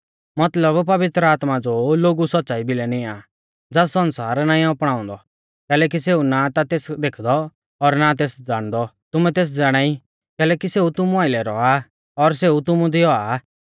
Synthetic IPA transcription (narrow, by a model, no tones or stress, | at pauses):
mɐt̪ləbpɐʋɪt̪ɾəaːt̪mad͡zoloːɡusɐtːʃaːibɪlɛnɪ̃aː | d͡zɛsːɐnsaːɾnãːĩɔpɽ̃aːɔ̃nd̪ɔ | kɛːlɛːk̬is̬eːunat̪at̪eːsd̪eːkʰd̪ɔ | ɔɾnat̪̬eːsd͡zaːɽ̃d̪ɔt̪ʊmɛ̃t̪eːs̬d͡zaːɽ̃aːi | kɛːlɛːkiseːut̪ʊmũaːɪlɛɾɔa | ɔɾs̬eːut̪ʊmũd̪ɪjɔa